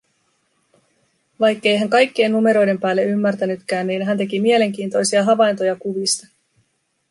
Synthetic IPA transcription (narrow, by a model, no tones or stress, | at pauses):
ʋɑjkːe̞jɦæŋkɑjkːienːume̞ɾo̞jde̞mpæːlːe̞ymːæɾt̪ænyt̪k̟æːnniːnɦænt̪̬e̞k̟imie̞le̞ŋk̟iːnt̪o̞jsiɑɦɑʋɑjnt̪ojɑkuʋist̪ɑ